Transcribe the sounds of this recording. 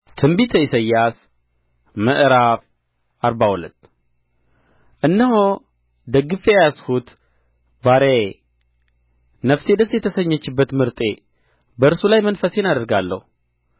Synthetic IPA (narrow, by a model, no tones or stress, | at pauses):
t̪ʰɨmbit̪ʰəisəjːas | məʔɾaf | ʔaɾbahulət̪ː | ʔɨnːəɦo | d̪əɡɨfejashut̪ | baɾe | nəfse̞d̪əsjɛt̪ʰəsəɲːət͡ʃːɪbːət̪mɨɾt̪ʼe̞ | bəɨɾsulajmənfəse̞nad̪əɾɡalːə̰hu